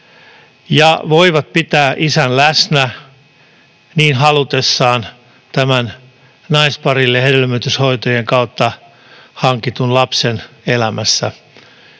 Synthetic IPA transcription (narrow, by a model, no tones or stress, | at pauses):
jɑʋoiʋɑt̪̚pit̪æːʔisænlæsnæ | niːnɦɑlut̪esːɑːn | t̪æmæn | nɑispɑrilːehedelmøt̪yshoit̪ojeŋkɑut̪ːɑ | hɑŋkit̪unlɑpsenelæmæsːæ̰